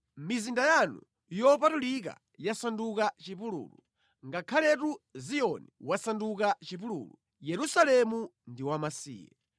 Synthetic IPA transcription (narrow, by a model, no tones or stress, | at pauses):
mizindajanu | jɔpatulik̬a̰ | jasandukat͡ʃipulṵːlṵ | ŋɡakʰalɛtuzijɔniwasandukat͡ʃipulṵːlu | jɛɾusalɛmundiwamasḭːjɛ̰